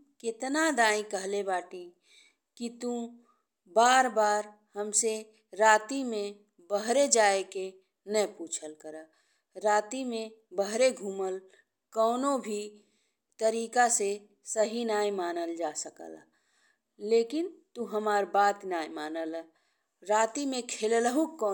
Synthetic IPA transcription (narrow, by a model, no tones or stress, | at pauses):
kɪt̪nad̪aːĩkəɦlebaːʈi | kit̪ũ | baːɾbaːɾ | həmse | ɾaːt̪imẽ | bəɦɾed͡ʒaːeke | nəpuːt͡ʃʰəlkəɾə | ɾaːt̪imẽbəɦɾeɡʱuːməl | kɔːnobʱi | t̪əɾiːkase | səɦinaːjmaːnəld͡ʒaːsəkə̰l | leːkɪnt̪uɦəmaːɾbaːt̪naːjmaːnəl | ɾaːt̪imẽkʰeːlləɦũkːɔː